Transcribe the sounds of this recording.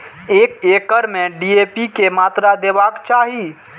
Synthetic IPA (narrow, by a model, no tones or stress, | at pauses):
ekekəɾmeɖiepikemat̪ɾad̪ebakt͡ʃaɦi